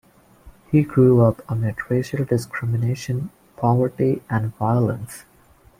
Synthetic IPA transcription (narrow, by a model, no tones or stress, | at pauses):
hiɡɾuʌpəmɛʈʰɹeʃəlɖɪskʰɾɪmɪneɪʃə̃n | pʰɔʋəɹʈiæ̃nɖvaɪələ̰̃ns